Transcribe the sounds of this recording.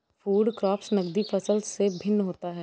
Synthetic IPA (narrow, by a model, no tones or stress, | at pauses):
pʰuːɖkɾɔːpsnəɡd̪ipʰəsəlsebʱɪnɦoːt̪aɦɛː